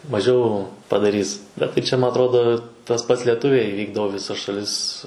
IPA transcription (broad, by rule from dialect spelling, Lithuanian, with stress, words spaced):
mɐˈʒʲɛʊ pɐdɐˈrʲiːs ˈbʲɛt tɐɪ ˈt͡ʃʲɛ ˈmɐ ɐtˈroːdoː tɐs ˈpɐts lʲɛˈtʊʋʲɛɪ ˈʋʲiːɡdɐʋoː ɪ ʋʲɪˈsɐs ʃɐˈlʲɪs